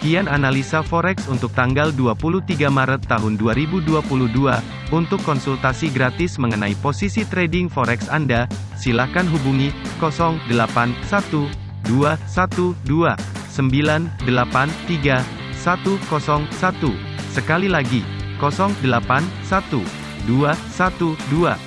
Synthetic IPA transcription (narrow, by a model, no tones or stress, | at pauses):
kiananalisafɔɾɛksunt̪ʊk̚t̪aŋɡalduapuluht̪iɡamaɾət̪ːaɦʊnduaɾibuduapuluhdua | unt̪ʊkːɔnsult̪asiɡɾat̪ɪsməŋənaiposisit̪ɾedɪŋfɔɾɛksanda | silakanɦubuŋikɔsɔŋdəlapansat̪u | duasat̪udua | səmbilandəlapant̪iɡa | sat̪ukɔsɔŋsat̪u | səkalilaɡikɔsɔŋdəlapansat̪u | duasat̪udua̰